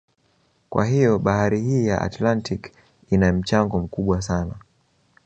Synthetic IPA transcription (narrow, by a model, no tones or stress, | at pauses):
kwa̰ɦijɔɓahaɾihiːjaʔa̰tlantʰik | inam̩t͡ʃaŋɡɔm̩kuɓwasana